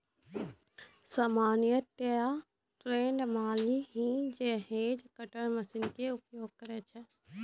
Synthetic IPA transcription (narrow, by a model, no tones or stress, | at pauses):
samaːnjət̪ːeja | ʈɾeːɳɖmaːliɦĩd͡ʒeɦeːd͡ʒkəʈəɽ̃mɐsɪnkeʊpjoːɡ̚kəɾet͡ʃʰɛ